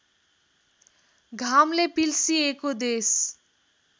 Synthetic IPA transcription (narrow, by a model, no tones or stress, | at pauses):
ɡʱamlepilsiekod̪es